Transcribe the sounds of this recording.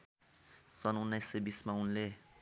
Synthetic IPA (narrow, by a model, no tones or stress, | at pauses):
sʌnunːajsebismaunle